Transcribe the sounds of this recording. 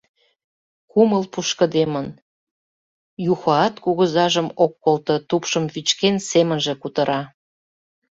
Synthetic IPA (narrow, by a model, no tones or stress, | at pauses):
kuməlpuʃkə̆d̪emən | juxɑɑt̪kuɣəzɑʒəmokːolt̪ə̆t̪upʃəmβit͡ɕkensemənʒĕkut̪ə̆ɾʔɑ